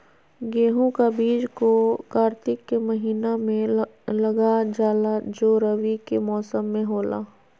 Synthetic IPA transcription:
ɡeːɦũkabiːd͡ʒkokaːɾt̪ɪkːemɐɦiːnamẽlɐɡad͡ʒaːlad͡ʒoːɾəʋikemɔːsəmːẽɦoːla̰ː

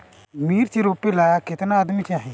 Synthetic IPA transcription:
miːɾt͡ʃiɾoːpelaːjakɪt̪naəd̪mit͡ʃaːɦẽː

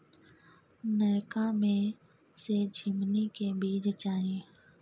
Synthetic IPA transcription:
nəːkãːmẽː | seːd͡ʒʱɪmniːkeːbiːd͡ʒt͡ʃaːɦẽː

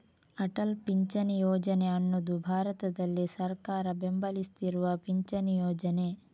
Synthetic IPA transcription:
ɐʈɐlpiɲt͡ʃɐnijɔːd͡ʒɐneɐnːɐd̪ubʱaːɾɐt̪ɐd̪ɐlːisɐɾkaːɾɐbembɐlist̪iɾuʋɐpiɲt͡ʃɐnijɔːd͡ʒɐne̞

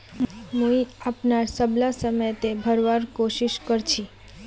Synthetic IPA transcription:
mũiapnaɾsəblasəmət̪ebʱəɾʋaɾkoʃiʃkəɾt͡ʃʰi

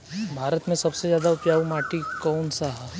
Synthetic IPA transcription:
bʱaːɾət̪mẽsɐbsezjaːd̪aʊpjaːʋmaːʈikɔːnsaɦa

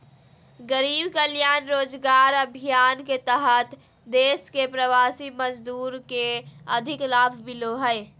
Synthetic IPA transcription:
ɡəɾiːbkəljaːnɾoːd͡ʒɡaːɾəbʱijaːnket̪əɦət̪ | d̪eːskepɾəʋaːsiməd͡ʒd̪uːɾkeəd̪ʱɪklaːbʰʱmɪloɦəɪ

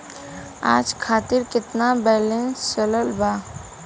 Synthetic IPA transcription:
a̰ːd͡ʒkʰaːt̪ɪɾkɪt̪nabɛːlẽnst͡ʃələlbaː

